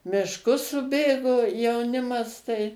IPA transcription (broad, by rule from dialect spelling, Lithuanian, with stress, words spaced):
mʲɪʃˈkʊs sʊˈbʲeːɡoː jɛʊˈnʲɪmɐs tɐɪ